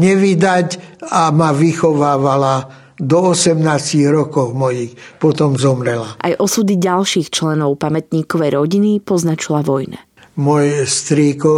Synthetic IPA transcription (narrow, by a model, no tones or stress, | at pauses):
ɲɛʋid̪acamaʋixɔʋaːʋala | d̪ɔɔsɛmnaːsciɣɾɔkɔɣmɔjixpɔt̪ɔmzɔmɾɛlaʔa̰jʔɔsud̪iɟalʃiːxt͡ʃlɛnɔʊpamɛt̪ɲiːkɔʋɛjɾɔɟinipɔznat͡ʃilaʋɔjna̰ | mɔjst̪ɾikɔ